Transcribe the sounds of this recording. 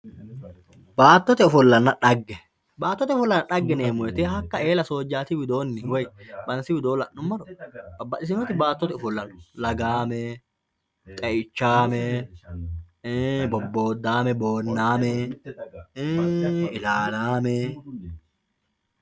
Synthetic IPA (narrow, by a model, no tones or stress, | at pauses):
baːt̪ːɔt̪ɛɔfʊlːɐnːɐᶑɐɡːɛ | baːt̪ːɔt̪ɛʊfʊlːɐnɐᶑɐɡːɛneːmɔɛt̪eːɦɐkːɐe̞ːlɐso̞ːd͡ʒːaːt̪ɪwɪd̪o̞ːnːɪwɔjbɐnsɪwɪd̪o̞ːlɐʔnʊmmɐlɔbɐbːɐᶑɪs̬ɪnɔt̪ɪbaːt̪ːɔt̪ɛʊfʊlːɐnɔ̥lɐɡaːmɛ | t̪ʼɛʔɪt͡ʃːaːmɛ | bɔbːo̞ːd̪ːaːmɛboːnːaːmɛ | ɪlaːlaːmɛ